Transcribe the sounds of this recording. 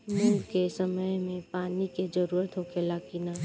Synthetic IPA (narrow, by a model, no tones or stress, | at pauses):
mũːkesɐməjmẽpaːniked͡ʒəɾuːɾət̪ɦokelaːkinaː